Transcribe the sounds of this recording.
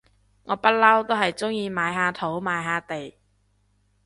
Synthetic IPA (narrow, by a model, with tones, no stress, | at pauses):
ŋɔː˨˧pɐ˥t̚lɐ˥wt̪o˥wɦɐ˨jt͡sʊ˥ŋjiː˧maː˨˧jɦaː˧t̪ʰo˨˥wmaː˨˧jɦaː˨˧t̪e˨j